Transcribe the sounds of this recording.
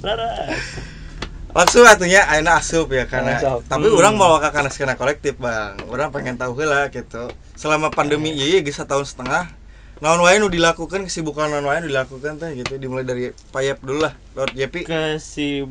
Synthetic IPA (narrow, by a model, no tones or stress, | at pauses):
lʔaŋsʊŋat̪̬iɲaʔainaːsʊpjakarnat̪apiuɾaŋmalawakakanaskanakolɛk̚t̪ɪfbaŋuɾaŋpeŋɛnt̪auɦalahɡit̪u | səlamapandəmijajaɡisat̪aɦʊnsə̥t̪əŋah | naɔnwajinudilakukankəsibukanaʊnwaɛnudilakukant̪ɛhɡit̪udimulajdaɾipajap̚dululah | lot̪̚d͡ʒapikəsi